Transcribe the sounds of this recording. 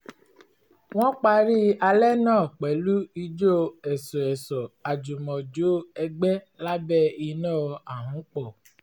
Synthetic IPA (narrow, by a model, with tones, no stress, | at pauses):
w̃ɔ̃˦k͡pa˧ɾi˦a˧lɛ˦nãː˦˨k͡pɛ˨˦lu˦i˧d͡ʒo˦ɛ˨sɔ˨ɛ˨sɔ˨a˨d͡ʒu˨mɔ̃˨d͡ʒo˨˦ɛ˧ɡ͡bɛ˦ | la˦bɛ˦i˧nãː˦˨˧a˨ɦũ˨˦k͡pɔ˦˨